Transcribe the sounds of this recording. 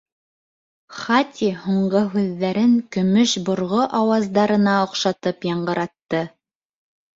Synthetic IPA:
χat̪ʲʰihuɴɢɤɦʉðːæɾɘŋkɵ̆mɵʃbŏɾʁoʔɑwɑzd̪ɑɾɤ̆nɑŏqʃɑt̪ɤpjɑɴɢɤ̆ɾɑt̪ːɤ

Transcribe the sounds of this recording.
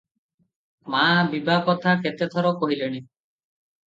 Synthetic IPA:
mabibakɔt̪ʰaket̪et̪ʰɔɾɔkɔɦileɽ̃i

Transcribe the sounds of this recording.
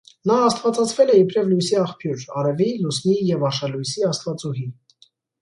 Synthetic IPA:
nɑɑst̪vɑt͡sɑt͡sʰvɛlɛikɾɛvlujsiɑχpʰjuɾɑɾɛvilusnijɛvɑʃɑlujsiɑst̪vɑt͡suɦi

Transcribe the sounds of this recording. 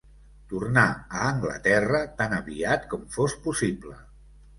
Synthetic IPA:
t̪urnaəːŋɡlə̰t̪ɛrət̪anəβiat̪kɔmfospusiblə̰

